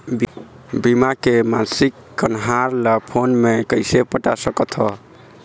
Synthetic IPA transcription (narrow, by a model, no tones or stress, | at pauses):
b | bimakemansikːənɦaɾləpʰonmekəjsepəʈasəkət̪ʰɦɔ